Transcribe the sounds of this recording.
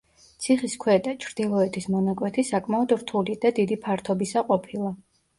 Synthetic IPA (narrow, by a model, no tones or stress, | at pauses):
t̪sʰiχiskʰwɛt̪ʼat͡ʃʰɾd̪̥ilˠɔɛt̪ʰismɔnakʼwɛt̪ʰisakʼmaɔd̪ɾt̪ʰulid̪̥ad̪id̪ipʰaɾt̪ʰɔbisaqʼɔpʰilˠa